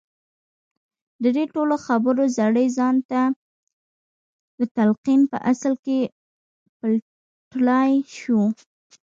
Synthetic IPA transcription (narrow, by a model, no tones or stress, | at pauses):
d̪əd̪eʈoloxabəɾozaɽəjzɑnt̪a | d̪ət̪alqinpə̰ʔaslke | pəl | ʈlɑjʃu